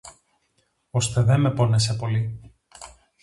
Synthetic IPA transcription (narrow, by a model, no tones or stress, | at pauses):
o̞st̪eðeme̞po̞nesepo̞li